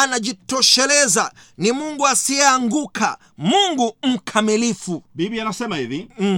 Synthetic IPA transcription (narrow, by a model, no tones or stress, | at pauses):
anaʄitɔʃɛlɛza | nimuŋɡuasiɛaŋɡukʰa̰ | muŋɡum̩kʰamilifubibianasɛmaiði